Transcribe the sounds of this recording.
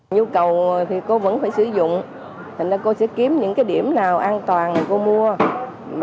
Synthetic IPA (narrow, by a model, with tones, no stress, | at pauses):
ɲu˧kə˨˩wt̪ʰi˨˩ko˧və̰˧˥nfaː˧˩jsɨ̰˧˩˦zʊ̰˧˨ŋ͡m | t̪ʰa˨˩ŋ̟zaː˧ko˧sɛ̰˧˥ki˨˦əmɲɨ̰˧˥ŋkaː˨˦jɗi˧˩əmnaː˨˩wʔaː˧nt̪waː˨˩nna˨˩ko˧mu˧ə | m